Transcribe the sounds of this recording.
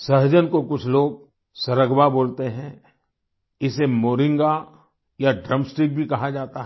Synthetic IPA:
sɐɦd͡ʒənkokʊt͡ʃʰloːɡ̚ | sɐɾəɡbaboːlt̪eɦɛ̃ | ɪsemoːɾɪ̃ŋɡa | jaɖɾəmsʈɾik̚bʱikɐɦad͡ʒaːt̪aɦ

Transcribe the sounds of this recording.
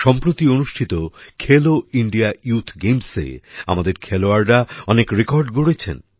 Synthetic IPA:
ʃɔmpɾot̪ionuʃʈʰit̪okʰeloiɳɖiajut̪ʰɡejmsḛa̰mad̪eɾkʰɛloaɾɾaɔnekɾekɔɾɖɡoɽet͡ɕʰḛn

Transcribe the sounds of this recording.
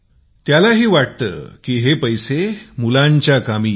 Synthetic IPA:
t̪jalaɦiːʋaʈ̚t̪ə̰ːkiːɦepəjsemulãɲt͡ɕjakami

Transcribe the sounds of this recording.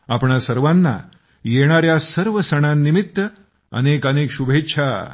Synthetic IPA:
apɳasəɾʋanːa̰ | jeɽ̃aɾjasəɾʋəsəɽ̃anːimit̪ːə | ə̰nekənekɕubʱetːɕʰa

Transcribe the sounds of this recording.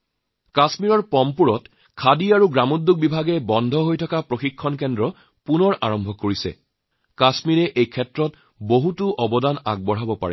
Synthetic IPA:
kasmiɹɔɹpɔmpuɹɔt | kʰadiaɹuɡamudːuk̚bibʱaɡɛbɔndʱɔɦojtʰɔkapɹoxikʰːɔnkɛndɹɔ | punɔɹʔa̰ɹɔmbʱɔkːoɹisɛ̰ | kasmiɹɛʔejkʰɛtɹɔt | boɦutʊʔɔbɔdanaɡ̚bɔɹɦabɔpa̰ɹɛ̰

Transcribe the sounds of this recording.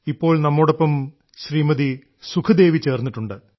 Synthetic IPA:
ipːo̞ːɭnɐmːoːɽo̞pːɐm | ɕriːmɐði | sukʰɐd̪e̞ːʋit͡ɕe̞ːrnːiʈːuɳɖɨ

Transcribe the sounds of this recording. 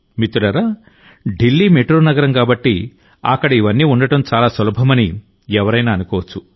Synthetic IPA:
mit̪ːulɐɾa | ɖilːiːmeʈɾoːnɐɡɐɾɐmkaːbɐʈːi | ɐ̰kːɐɽɐiʋɐnːiːuɳɖɐʈɐmt͡ʃaːlaːsɐlɐbʱɐmɐni | ɛʋɐɾɐjnaːnukɔːʋɐt͡ʃːu

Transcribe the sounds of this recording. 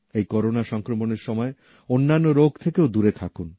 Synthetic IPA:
ejkɔɾonaʃɔŋkɾomoneɾʃɔmɔe | onːanːoɾoɡʱt̪ʰekeod̪uɾet̪ʰakun

